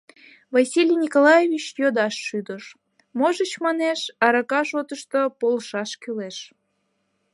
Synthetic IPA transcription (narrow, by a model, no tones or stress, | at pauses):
vɑsʲilʲijnʲikolɑjevʲit͡ɕjod̪ɑʃːyd̪əʃ | moʒət͡ɕmɑneʃɑɾɑkɑʃot̪əʃt̪opolʃɑʃkyleʃ